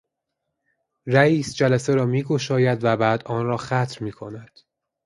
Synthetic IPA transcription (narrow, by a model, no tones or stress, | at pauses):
ræiːsd͡ʒælæseɾɒːmiːɡo̞ʃɒːjæd̪væbæːd̪ʔɒːnrɒːxæt̪ʰɾmiːkʰo̞næd̪̥